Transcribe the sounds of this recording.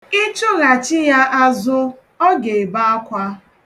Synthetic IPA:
i˦t͡ʃʊ˦ɣa˨t͡ʃɪ˦ja˦ʔa˦zʊ˦ | ɔ˦ɡe˨ba˦a˦kʷa˦

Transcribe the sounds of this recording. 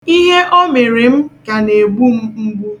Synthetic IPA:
i˦ɦe˦ʔɔ˦me˨ɾe˨m̩˦ka˨ne˨ɡ͡bu˦m̩˦ŋ͡m̩˦ɡ͡bu˦

